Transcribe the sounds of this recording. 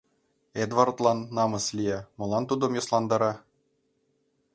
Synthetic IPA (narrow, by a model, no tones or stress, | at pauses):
ed̪vɑrt̪lˠɑnːɑmɤ̆slʲijæmɤ̆lˠɑnt̪ud̪ɤ̆mjɤ̆slˠɑnd̪ɑɾɑ